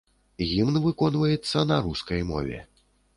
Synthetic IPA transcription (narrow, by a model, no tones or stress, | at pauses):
ɣʲimnvɨkɔnvɐjɛt̪sːɐnɐɾuskɐjmɔ̰vʲɛ̰